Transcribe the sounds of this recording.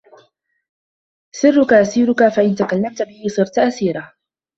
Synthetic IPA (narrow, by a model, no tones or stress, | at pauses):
sˤɨrːʊkaʔasiːɾʊkafaʔɪnt̪akalːamt̪abɪhɪsˤɨɾt̪aʔasiːɾa